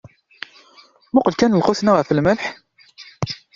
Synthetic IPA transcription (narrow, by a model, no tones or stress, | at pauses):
mʊqəlkænəlqʊθnaʁəfəlməlħ